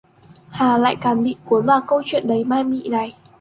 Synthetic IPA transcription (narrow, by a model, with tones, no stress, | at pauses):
haː˨˩la̰ː˧˨jkaː˨˩nɓḭ˧˨ku˨˦ənvaː˨˩kə˧wt͡ɕwḭ˧˨ənɗə˨˦jmaː˧jmḭ˧˨na˨˩j